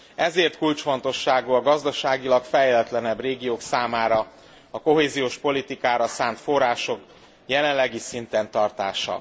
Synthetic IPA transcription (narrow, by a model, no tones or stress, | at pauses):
ɛzeːrt̪kult͡ʃfo̞nt̪o̞ʃːaːɡuɒɡɒzd̪ɒʃaːɡilɒkfɛjlɛt̪lɛnɛbreːɡijoːksaːmaːɾɒ | ɒko̞ɦeːzijoːʃpo̞lit̪ikaːɾɒsaːnt̪fo̞rːaːʃo̞k | jɛlɛnlːɛɡisint̪ɛnt̪ɒrt̪a̰ːʃɒ̰